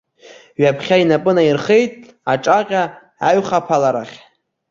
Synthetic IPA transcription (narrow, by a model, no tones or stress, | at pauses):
ɥapʰχʲainapʼɨnairχejtʼ | aʈ͡ʂʼaqʲʼa | aɥχapʰalaɾaχʲ